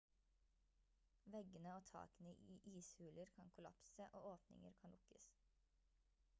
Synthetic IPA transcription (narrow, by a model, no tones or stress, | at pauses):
ʋɛɡənəoːt̪ʰɑ̰ːkənəʔiːʔiːshʉːləɾkʰɑŋkʰʊlɑ̰psəʔoːoːpnɪ̰ŋə̰ɾkʰɑnlʊkəs